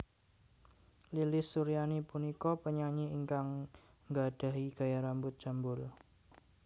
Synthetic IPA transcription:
lilɪsːuɾijanipunikɔpəɲaɲiiŋkaŋ | ŋɡad̥a̤ɦiɡ̥a̤jaɾambʊt̪̚d͡ʒ̥ambʊl

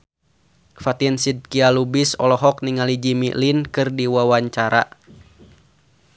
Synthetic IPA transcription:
fat̪insid̪̚kialubisɔlɔɦɔk̚niŋalid͡ʒimiʔlinkɨrdiwawaɲt͡ʃaɾa

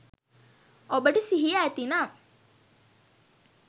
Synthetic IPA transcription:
obəʈəsiɦijaːt̪ina

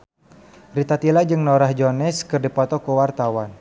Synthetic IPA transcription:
rit̪at̪ilad͡ʒɨŋnɔɾahd͡ʒɔnɛskɨrdipɔt̪ɔkəwart̪awan

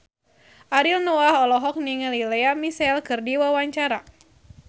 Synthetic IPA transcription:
ʔaɾilnoaɦɔlɔɦɔk̚niŋəlileamisɛlkɨrdiwawaɲt͡ʃaɾa

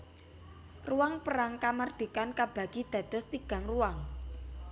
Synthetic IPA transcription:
ruwaŋpəɾaŋkamard̪̥i̤kankab̥ä̤ɡ̥id̪̥ä̤d̪̥ɔ̤st̪iɡ̥a̤ŋruwaŋ

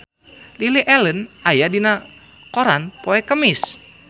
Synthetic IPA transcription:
liliʔɛlənajadina | koɾanpoɛkəmis

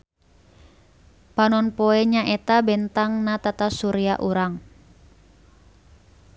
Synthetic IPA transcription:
panɔnpoɛɲaʔet̪abɛnt̪aŋnat̪at̪asuɾiaʔuɾaŋ

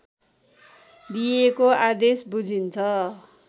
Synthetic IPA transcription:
d̪ijekoad̪esbud͡zʱint͡sʰʌ

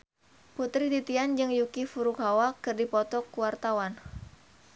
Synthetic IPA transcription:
put̪ɾid̪it̪iand͡ʒɨŋjukifuɾʊkɦawakɨrdipɔt̪ɔkuwart̪awan

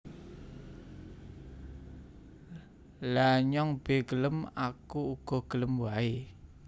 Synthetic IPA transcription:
laɲɔŋb̥e̤ɡələmakuːɡ̥ɔ̤ɡ̥ələmwae

